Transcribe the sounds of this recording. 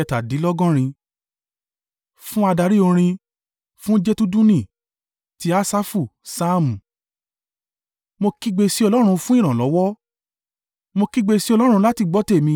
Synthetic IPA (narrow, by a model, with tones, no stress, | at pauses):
ɛ˧ta˨di˨˦lɔ˦ɡɔ̃˦ɾ̃ĩ˧ | fũ˦a˧da˧ɾi˦o˧ɾ̃ĩ˧ | fũ˦d͡ʒe˦tu˦dũ˦nĩ˦˨ | ti˦a˦sa˦fu˦˨sa˦mũ˨ | mo˧ki˦ɡ͡be˧si˦ɔ˧lɔ˦ɾ̃ũ˧fũ˦ĩ˦˨ɾ̃ã˨lɔ˨˦wɔ˦ | mo˧ki˦ɡ͡be˧si˦ɔ˧lɔ˦ɾ̃ũ˧˦la˦ti˨ɡ͡bɔ˨˦te˦˨mĩ˧